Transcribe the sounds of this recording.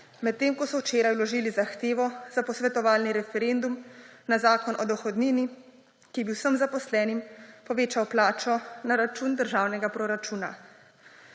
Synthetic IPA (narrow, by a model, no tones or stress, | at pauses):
mɛt̪ːeːmkɔsɔwt͡ʃeːɾajwlɔʒiːlizaxt̪eːʋɔzapɔsʋɛt̪ɔʋaːlniɾɛfɛɾeːnd̪umnazaːkɔnʔɔd̪ɔxɔd̪niːni | kibiwsəmzapɔslɛːnimpɔʋeːt͡ʃawplaːt͡ʃɔnaɾat͡ʃuːnd̪əɾʒaːwnɛɡapɾɔɾat͡ʃuːna̰